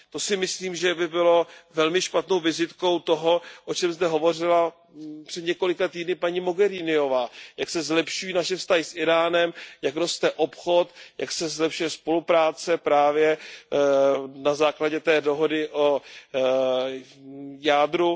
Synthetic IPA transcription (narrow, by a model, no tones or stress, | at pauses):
t̪o̞sɪmɪsliːmʒɛbɪbɪlo̞vɛlmɪʃpat̪no̞wvɪzɪt̪ko̞wt̪o̞ɦo̞ʔo̞t͡ʃɛmzd̪ɛɦo̞vo̞rɪla | pr̥ɛd̪ɲɛko̞lɪkat̪iːdnɪpaɲiːmo̞ɡɛɾinɪo̞vaːjaksɛzlɛpʃujiːnaʃɛfst̪aɦɪsʔɪɾaːnɛmjakɾost̪ɛʔo̞pxo̞t̪jaksɛzlɛpʃujɛspo̞lupɾaːt͡sɛpɾaːvjɛ | nazaːklaɟɛt̪ɛːdo̞ɦo̞dɪʔo | jaːdɾu